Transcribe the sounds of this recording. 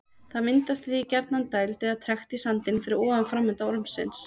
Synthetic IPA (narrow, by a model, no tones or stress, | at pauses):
θaðmɪnt̪ast̪aθicɛɾt̪nant̪aːjlt̪ɛðat̪ʰɾɛxt̪isant̪ɪnfɪɾɪɾɔːvanfɾamːʏnt̪aɔɾmsːɪ̰ns